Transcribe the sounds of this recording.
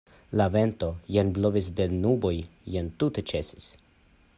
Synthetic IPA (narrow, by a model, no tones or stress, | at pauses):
lave̞nto̞jenblovisdenubojjentutet͡ʃesi̥s